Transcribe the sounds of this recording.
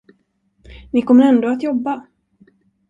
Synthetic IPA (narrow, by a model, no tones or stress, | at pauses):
nɪkʰɔmːəɾɛnd̪oːat̪jɔbːa